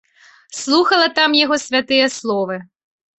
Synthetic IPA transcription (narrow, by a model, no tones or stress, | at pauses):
slˠuxɐlˠɐt̪amjaɣɔsʲvʲat̪ɨjɐslˠɔvɨ